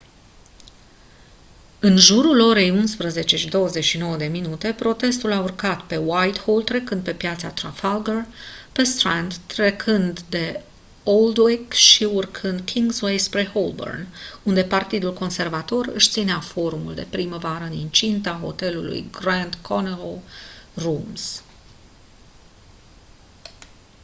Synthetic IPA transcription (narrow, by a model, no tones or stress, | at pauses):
ɨnʒuɾulo̞ɾe̞junspɾəze̞t͡ʃe̞ʃid̪o̞wəze̞ʃino̞wəd̪e̞minut̪e̞pɾo̞t̪e̞st̪ulaurkat̪pe̞wajt̪hold̪ɾe̞kɨnd̪̚pe̞pjat̪sat̪ɾafalɡərpe̞st̪ɾand̪tːɾe̞kʰɨnd̪d̪e̞ | old̪wekʃiurkʰɨnd̪kʲʰiŋɡzwejspɾeholbo̰rnund̪e̞part̪id̪ulko̞nse̞rvat̪o̞rɨ̰ʃt̪sineafo̞ɾumuld̪e̞̰pɾiməvaɾəɨnint͡ʃint̪aɦo̞̰t̪e̞lṵlṵjɡɾand̪kʰonelorums